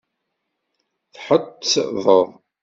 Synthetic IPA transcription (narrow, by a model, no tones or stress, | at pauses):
θħət̪ːsðˤəðˤ